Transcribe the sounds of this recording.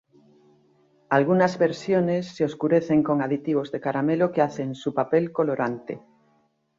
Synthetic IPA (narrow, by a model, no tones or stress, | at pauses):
alɣ̞unazβeɾsjonesːeoskuɾeθeŋko̞ŋaðit̪iβ̞ozðekaɾamelokeaθensupapelkoloɾant̪e